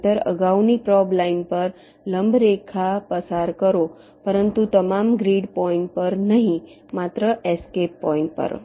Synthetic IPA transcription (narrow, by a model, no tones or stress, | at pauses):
t̪əɾə̰ɡaunipɾɔblainpəɾ | ləmbɾekʰapəsaɾkəɾo | pəɾənt̪ut̪əmamɡɾiɖpɔĩɳʈ̚pəɾnəɦĩ | mat̪ɾəʔeskepːɔĩɳʈ̚pə̰ɾ̰